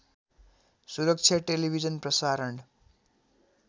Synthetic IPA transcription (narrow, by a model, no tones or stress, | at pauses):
suɾək̚t͡ʃʰjaʈelibʱid͡ʒənpɾəsaːɾəɳɖ